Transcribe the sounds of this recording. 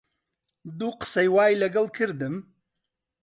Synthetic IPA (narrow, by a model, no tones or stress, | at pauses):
d̪uːqɨ̥sɐjwaːjlɐɡɐlˠkʰɨɾd̪ɨm